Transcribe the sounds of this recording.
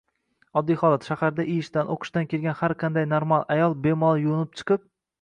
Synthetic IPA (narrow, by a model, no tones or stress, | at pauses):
ɒd̪ːijhɒlˠat̪ʃahaɾd̪aʔɪjɪʃt̪anʔo̰qʰɨ̥ʃt̪ankʲʰelʲɡʲanhaɾqʰɑnd̪ajnoɾmalˠajɒlˠbe̞mɒlˠjʊʊnɪp̚t͡ʃʰɨ̥qʰɨp̚